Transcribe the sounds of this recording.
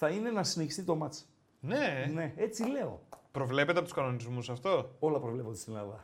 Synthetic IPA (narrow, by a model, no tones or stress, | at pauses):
θɐine̞nɐsineçist̪it̪o̞mɐt͡s | nene̞e̞t͡sile̞o̞̰pɾo̞vle̞pe̞t̪epou̥skɐno̞nizmusɐft̪o̞o̞lɐpɾovle̞po̞nd̪st̪inlɐðɐ